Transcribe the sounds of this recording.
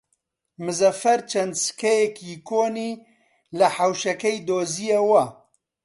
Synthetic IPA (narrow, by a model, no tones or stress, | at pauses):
mɨzɐfɐɾt͡ʃʰɐnd̪sɨ̥kɛjɛkjikoːniː | lɐħawʃɐkɛjd̪oːzijewɐ